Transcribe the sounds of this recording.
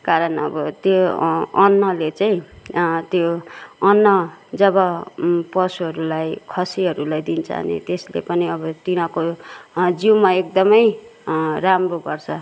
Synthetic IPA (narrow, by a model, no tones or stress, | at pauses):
kaɾʌnʌ̰bʌt̪joʌnːʌlet͡saĩt̪joʌnːʌd͡zʌbʌpʌsuɦʌɾulajkʰʌsiɦʌɾulajd̪int͡sʰa̰ɦnḛt̪eslḛpʌniʌbʌt̪iñʌ̃ko | d͡ziwmaek̚d̪ʌmʌj | ɾamroɡʌrt͡sʰʌ